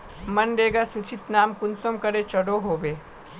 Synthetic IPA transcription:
mənɖeːɡasut͡ʃʰit̪naːmkʊnsəmkəɾet͡ʃəɽoɦoːbeː

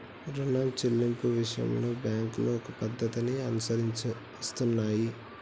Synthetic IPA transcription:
ɾunɐmt͡ʃelːimpuʋiʂɐjɐ̰mlo̞ːbjaːŋkloːɔkɐpɐd̪ʱːɐt̪iniɐnusɐɾiɲt͡ʃɐ | st̪unːaːji

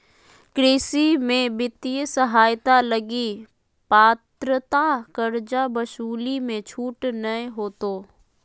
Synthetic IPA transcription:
kɾeːsimẽbɪt̪ijəsəɦaːjt̪aləɡi | paːt̪ɾət̪akəɾd͡ʒabəʃuːlimẽt͡ʃʰuːʈnəeɦoːt̪oː

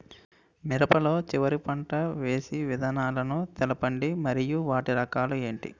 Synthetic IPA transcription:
miɾɐpɐlo̞ːt͡ʃiʋɐɾipɐɳʈɐʋe̞ːsiʋid̪ʱaːnaːlɐnut̪ɛlɐpɐɳɖimɐɾijuʋaːʈiɾɐkaːlue̞ːɳʈḭ

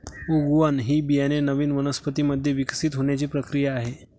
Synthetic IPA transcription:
uɡʋanɦiːbijanenəʋiːnʋənəspət̪iːməd̪ʱːjeʋiksit̪ɦoɳjat͡ɕiːpɾəkɾijaːɦe

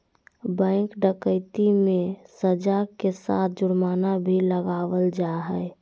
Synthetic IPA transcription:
bə̃ɪŋkɖəkəɪt̪imẽsəd͡ʒakesa̰ːt̪̚ʰd͡ʒʊɽmaːnabʱiləɡaːʋəld͡ʒaɦɛ

